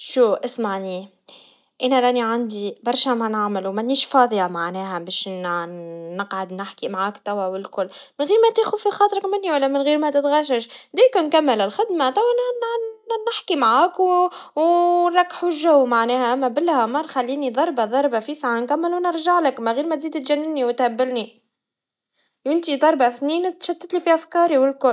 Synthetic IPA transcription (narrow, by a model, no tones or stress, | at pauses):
ʃuːʔɪsmaʕni | ʔænæɾˤɑːniʕand̪ibɑɾˤʃæmænaʕmɪlumænːiːʃfɑːd̪ˤjamaʕnɛːɦɛbɛːʃnː | əqʕad̪nɪħkimʕaːkt̪æwːawɪlkʊlːmɪnɣiːɾmæt̪eːxufixɑːt̪ˤɾɪkmɪnːiwælːæmɪnɣiːɾmæt̪ɪt̪ɣæʃ̬ɪʃd̪iːknkæmːɪlɪlxɪd̪mat̪æwːænnnɪħkimʕaːkwwnɾˤɑkːħlʒæwːmaʕnɛːhæʔæmːæbɪlːhɑmɑɾˤxalːiːnid̪ˤɑɾˤbɑðˤɑɾˤbafisʕankæmːəlwnəɾˤʒaʕlɪkmæɣiːɾmæt̪ziːd̪t̪ʒænːɪniwɪt̪hæbːɪlni | ʔɪnt̪id̪ˤɑɾˤbaθniːnt̪ʃæt̪ːɪt̪lifiʔæfkɑːɾiwɪlkʊl